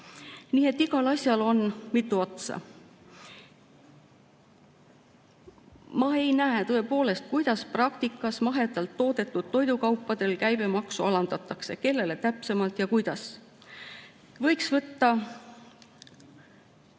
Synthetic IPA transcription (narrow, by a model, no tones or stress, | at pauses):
niːe̞t̪ːiɡɑlɑsʲjɑlo̞nmit̪ːˑuo̞t̪sɑ̰ | mɑe̞jnæet̪ɤe̞po̞ːle̞st̪̚kujd̪̥ɑsprɑk̚t̪ikːˑɑsmɑɦe̞d̪ɑlt̪ːo̞ːd̪e̞t̪ːˑud̪̥̚t̪ːo̞jd̪ukɑwpːˑɑd̪̥e̞lkæjb̥e̞mɑksuɑlɑnd̪̥ɑt̪ːˑɑkse̞ke̞lːe̞le̞t̪æpse̞mɑlt̪jɑkujd̪̥ɑs | vɤ̞jksvɤt̪ːɑ